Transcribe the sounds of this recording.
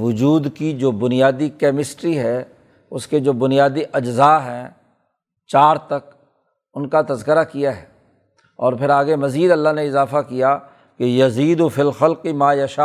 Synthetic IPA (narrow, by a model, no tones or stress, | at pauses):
ʋʊd͡ʒuːd̪kid͡ʒoːbʊnɪijaːd̪ikɛːmɪsʈɾiɦɛ | ʊsked͡ʒoːbʊnijaːd̪iʔɐd͡ʒzaːɦɛ | t͡ʃaːɾt̪ɐk | ʊnkat̪ɐzkəɾakijaɦɛː | ɔːɾpʰɪɾaːɡemɐziːd̪ɐlːaɦneɪzaːfakija | kejɐziːd̪ʊfɪlxɐlqɪmaːjɐʃaː